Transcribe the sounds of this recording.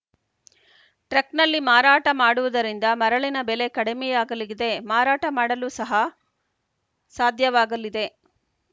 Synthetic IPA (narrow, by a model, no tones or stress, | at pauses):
ʈɾeknɐlːimaːɾaːʈɐmaːɽuʋɐd̪ɐɾind̪ɐmɐɾɐɭinɐbele̞kɐɽemɛjaːɡɐliɡid̪e̞maːɾaːʈɐmaːɽɐlusɐɦɐ | saːd̪ʱjɐʋaːɡɐlːid̪e̞